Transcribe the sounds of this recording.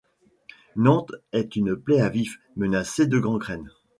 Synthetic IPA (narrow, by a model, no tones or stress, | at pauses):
nɑ̃t̪ɛt̪ynplɛavif | mənased̪əɡʁɑ̃ɡʁɛn